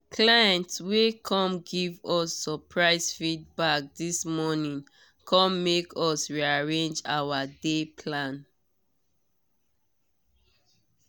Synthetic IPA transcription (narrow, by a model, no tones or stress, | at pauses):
kʰlaɛ̃ntswekʰɔ̃mɡivɔsːɔpʰɹaɪsfid̚bak̚dismɔnĩŋ | kʰɔ̃mmekʰɔsɹiaɹẽnd͡ʒawadepʰlãn